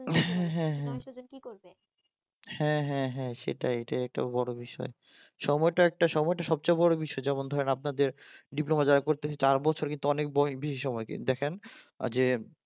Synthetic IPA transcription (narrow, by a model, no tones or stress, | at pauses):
ɦɛ̃ɦɛ̃ɦɛ̃ikoe | hɛ̃ɦɛ̃ɦɛ̃ʃḛʈajeʈaɛk̚ʈa̰bɔɽobiʃɔ̰e | ʃɔmɔeʈaɛk̚ʈaʃɔmɔeʈaʃɔb̚t͡ɕajbɔɽobiʃɔed͡ʑɛmond̪ʱɔɾenap̚nad̪eɾɖiplomad͡ʑaɾakoɾt̪eet͡ɕaɾbɔt͡ɕʰoɾkint̪uɔnek̚bɔbiʃiʃɔmɔekḭd̪ɛkʰen̰ | d͡ʑe